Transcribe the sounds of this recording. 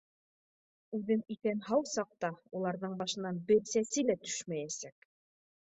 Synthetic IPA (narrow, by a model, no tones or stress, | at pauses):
ʉðɘŋikænɦɑwsɑq̚t̪ɑulˠɑɾðɤɴbɑʃɤ̆nːɑnbɘɾsæsɘlæt̪ɵ̥ʃmæjæsæk